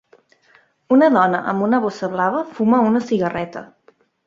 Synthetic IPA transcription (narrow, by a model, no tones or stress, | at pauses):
unəðɔnəʔə̰mbunəβosəβlaβ̞əfuməunəsiɣərɛt̪ə̰